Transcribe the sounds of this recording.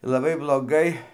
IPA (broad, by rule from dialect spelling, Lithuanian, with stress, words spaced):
lˠɐˈbɐɪ blˠoːˈɡɐɪ